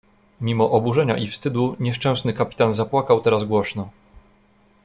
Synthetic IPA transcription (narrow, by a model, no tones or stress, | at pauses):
mʲimɔʔɔbuʐɛɲa̰ʔifst̪ɘd̪uɲɛʂt͡ʂɛ̃w̃snɘkapʲi̥t̪anzapwakawt̪ɛɾazɡwɔɕnɔ